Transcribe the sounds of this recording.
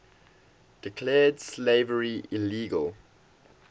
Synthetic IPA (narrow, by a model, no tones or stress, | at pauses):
d̥ɪkʰlɛːdsleɪvəɹiɪliːɡə̰lˠ